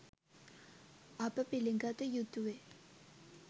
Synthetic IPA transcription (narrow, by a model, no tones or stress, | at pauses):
ʔapapeleŋɡat̪ajut̪uwe